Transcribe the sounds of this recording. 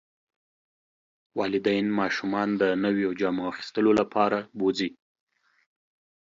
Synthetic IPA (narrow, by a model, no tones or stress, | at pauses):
wɑlɪd̪ajnmɑʃumɑnd̪ənəwjod͡ʒɑmoaxi̥st̪əlolapʰɑɾabod͡zi